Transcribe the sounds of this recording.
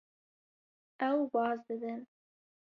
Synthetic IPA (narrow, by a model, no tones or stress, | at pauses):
awbɑːzd̪əd̪ən